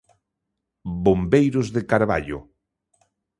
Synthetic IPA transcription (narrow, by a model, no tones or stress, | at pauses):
bombejɾozðekaɾβa̰ʎo̰